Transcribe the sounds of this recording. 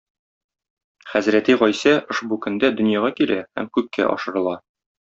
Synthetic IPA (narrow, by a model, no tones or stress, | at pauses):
χæzɾæt̪iʁɒjsæʔŏʃbukɵ̆nd̪æd̪ɵ̆njɑʁɑkilʔæhæ̰mkʉkːæ̰ʔɒ̰ʃɤ̆ɾɤ̆lˠɑ